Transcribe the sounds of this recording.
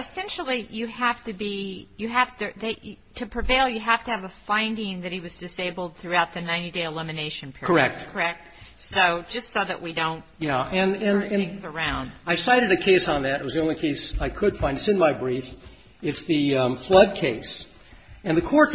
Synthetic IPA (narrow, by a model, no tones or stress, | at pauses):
ɨsɛ̃nʃl̩ˠijɨhæftɨbijɨɦæftɨðɨɨtʰɨpʰɹ̥ɨveɪlˠjɨɦæftɨːvəfãɪ̃ndɪ̃ŋðɨt̚hiwʌzdɨseɪbl̩ˠd̪̚θɹʉaʊt̪̚ðɨnãɪ̃ñideɪəlɪmɨneɪʃɨ̃n̩pʰɪkʰə˞ɛk̚t̚kʰə˞ɛk̚t̚ | soʊd͡ʒʌstsoʊðɨ̰ʔwʔidõʊ̃nt̚jæɨ̃nɨ̃nɨ̃ɪ̃ŋzə˞ãʊ̃nd̥aɪsaɪɾɨɾɨkʰeɪsn̩ðɨɾɨ̰t̚wʌzðiõʊ̃nlikʰeɪsaɪkʰɨd̥fãɪ̃ndɨsɨ̃nmaɪbɹif | ɨtsðɨflʌd̚kʰeɪs | ɨ̃nðɨkʰɔɹt